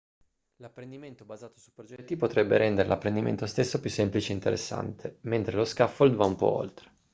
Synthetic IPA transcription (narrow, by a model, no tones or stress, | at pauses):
lapːɾend̪iment̪obazaːt̪o̥supɾod͡ʒɛt̪ːipot̪ɾɛbːeɾɛnd̪eɾḛlapːɾend̪imḛnt̪ost̪esːopjusːemplit͡ʃeint̪eɾʔḛsːa̰nt̪ʰement̪ɾeloskafːold̪vaumpɔ̰o̰lt̪ɾe̥